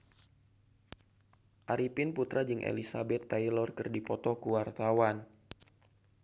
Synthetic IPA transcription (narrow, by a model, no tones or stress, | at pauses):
ʔaɾipɪnput̪ɾʔad͡ʒɨŋʔḛlisabɛt̪ːajlɔrkɨrdipɔt̪ɔkuwart̪awan